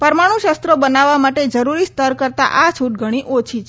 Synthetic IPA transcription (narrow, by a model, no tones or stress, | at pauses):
pəɾmaɽ̃ũʃəst̪ɾobənaʋːamaʈed͡ʒəɾuɾist̪əɾkəɾt̪a̰ʔat͡ʃʰuʈ̚ɡʱəɽ̃iʔot͡ʃʰit͡ʃʰ